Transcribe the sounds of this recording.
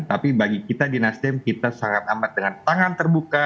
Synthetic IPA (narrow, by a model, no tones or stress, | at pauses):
t̪apibaɡikit̪adinast̪ɪmkit̪asaŋat̪̚amat̪̚dəŋant̪aŋant̪ərbuka